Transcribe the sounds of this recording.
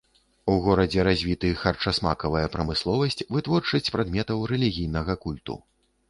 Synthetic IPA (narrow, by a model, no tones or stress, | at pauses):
uɣɔɾɐd͡zʲɛɾazʲvʲit̪ɨxɐrt͡ʂɐsma̰kɐvɐjɐpɾɐmɨslˠɔvɐsʲt͡sʲvɨt̪vɔrt͡ʂɐsʲt͡sʲpɾad̪mʲɛt̪ɐwɾɛlʲiɣʲijn̪ɐɣɐkulʲt̪ṵ